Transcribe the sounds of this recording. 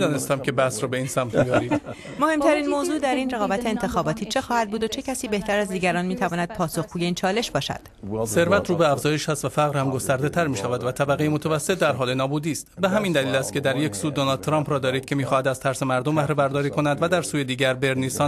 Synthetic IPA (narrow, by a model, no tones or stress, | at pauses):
d̪ɒːnest̪æmkcʰe̞bæhsɾɒːbe̞iːnsæmt̪ʰmijɒːɾiːd̪̥ | mo̞he̞mt̪ʰæɾiːnmoːzuːd̪æɾiːnreɣɒːbæt̪ʰe̞eːnt̪ʰe̞xɒːbɒːt̪ʰiːt͡ʃʰe̞xɒːhæd̪̚buːd̪ot͡ʃʰe̞cʰæsiːbe̞ht̪ʰæɾæzd̪iːɟæɾɒːnmiːt̪ʰævɒːnæd̪̥̚pʰɒːso̞xɡuːje̞iːnt͡ʃʰɒːle̞ʃbɒːʃæ̰d̪̥se̞ɾvæt̪ʰɾuːbeæfzɒːje̞ʃhæst̪væfæʁɾhæmɡo̞st̪æɾd̪et̪ʰæɾmiːʃævæd̪væt̪ʰæbæʁejemot̪ʰævæsːe̞t̪̚ʰd̪æɾɦɒːle̞nɒːbuːd̪iːst̪be̞ɦæmind̪æliːlæst̪kʰʲe̞d̪æɾjecsuːd̪onɒld̪̚t̪ʰɾɒːmpɾɒːd̪ɒːɾiːd̪̚cʰe̞miːxɒːhæd̪æz̥t̪ʰæɾsemæɾd̪ombæhɾebæɾd̪ɒːɾiːkʰo̞næd̪væd̪æɾsuːje̞d̪iːɟæɾbe̞ɾniːsɒː